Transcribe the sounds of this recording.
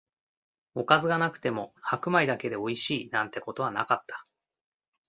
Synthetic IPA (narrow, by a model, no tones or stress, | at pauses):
o̞kazɨɡanakɯ̟̥t̪e̞mo̞hakɯ̟maid̪ake̞d̪e̞o̞iɕiːnãnt̪e̞ko̞t̪o̞βana̰kat̪ʰːḁ